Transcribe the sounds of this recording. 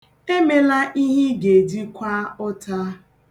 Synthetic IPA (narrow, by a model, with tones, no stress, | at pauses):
e˦me˨la˦ʔi˦ɦi˦ɡe˨di˦kʷa˦ʊ˦ta˦